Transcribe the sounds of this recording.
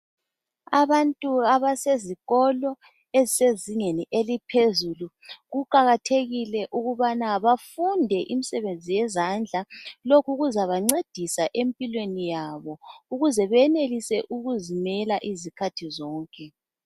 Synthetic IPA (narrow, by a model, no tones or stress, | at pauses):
aβantʼuaβaseziɣɔlɔ | eziseziŋeniʔelipʰezulu | ɣuǃaɣatʰeɣilɛʔuɣuβanaβafundʱɛʔimisɛβend͡zʱijɛzand͡ɮʱalokʰuɣuzaβaŋ͡ǀed̥ʱisaʔempʼilwenijaβɔuɣuzɛβɛnelisɛʔuɣuzimɛlaʔizikʰatʰizɔːŋkʼɛ